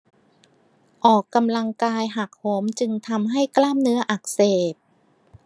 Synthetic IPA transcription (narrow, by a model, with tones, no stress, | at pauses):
ʔɔː˨˩kːa˧mla˧ŋkaː˧jɦa˨˩k̚ho˩˦mt͡ɕɯ˧ŋt̪ʰa˧mɦa˥˩jklaː˥˩mnɯ˦˥ɐʔa˨˩k̚seː˨˩p̪̚